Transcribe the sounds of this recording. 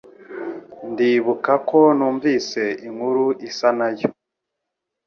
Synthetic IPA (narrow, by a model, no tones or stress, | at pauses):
ndiβukako̞nuːɱviːse̞iŋhuɾuisanajo